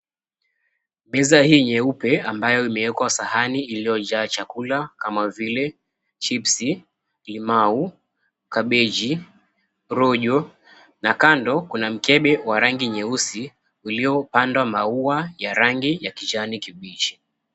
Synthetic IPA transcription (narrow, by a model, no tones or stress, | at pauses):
ɓɛzahiːɲɛupɛambajɔimɛwɛkwasahaniːlijɔʄaːt͡ʃakulakamavilɛ | t͡ʃipsi | limau | kaɓɛd͡ʒi | ɾɔʄɔ | nakandɔkunam̩kɛɓɛwaɾaŋɡiɲɛusi | ulijɔpandwamauajaɾaŋɡijakid͡ʒanikiɓit͡ʃi̥